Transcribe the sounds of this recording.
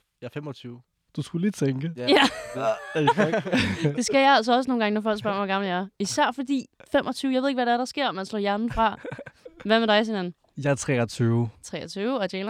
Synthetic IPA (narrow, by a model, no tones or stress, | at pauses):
jɑfemɒt͡sʰyːʊ | d̥usɡ̥ulit͡sʰeŋɡ̥əjæ | d̥e̝sɡ̥æjæls̬ɒɒ̽səno̝ːnɡ̥ŋənɒfɒl̰̥sb̥ɶɐ̰ʋɒɡɑ̈ml̩jæɐisæɐ̰fɒ̽d̥ḭːfemʔɒ̽t͡sʰyːʊjɑɪe̝ðˠeɡ̥ʋæɾeæɐɾ̥ɑ̈sɡ̥e̝ɐ̰ɒmænslɔ̰ːjæɐnn̩fʁɑ̈ | ʋæmeɾ̥ɑ̈ɪshinænn̩ | jɑ̈ɪt͡sʰʁɛ̰ːɐt͡sʰyːʊt͡sʰʁɛ̰ːɐt͡sʰyːʊɒdeːl